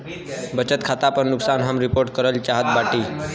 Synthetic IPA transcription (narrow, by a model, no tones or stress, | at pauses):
bət͡ʃət̪kʰat̪apəɾnuksanɦəmɾipoɾʈ̚kəɾəlt͡ʃaɦət̪̚baʈiː